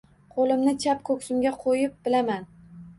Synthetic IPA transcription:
qʰolɪmnɪt͡ʃʰapkʰɵkʲsʊmɡʲaqʰojɪp̚b̥ɪlaman

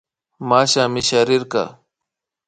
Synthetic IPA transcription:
maːɕãːmiɕaːɾiɾka̰ː

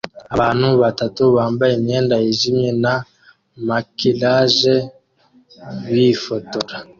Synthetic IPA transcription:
aβanuβatatuβaːmbaemiɛndaeʒimena | makilaʒe | βifotola

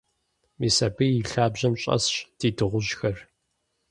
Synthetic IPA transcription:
miːsɐbiiɬaːbʑɐmɕʼɐ̰sɕd̥iːdɨʁʷʊʑxɐr

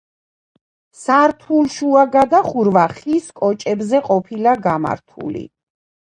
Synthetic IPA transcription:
saɾt̪ʰulʃuaɡad̪aχuɾvaχiskʼɔt͡ʃʼɛbzɛqʼɔpʰilaɡama̰ɾt̪ʰṵlḭ

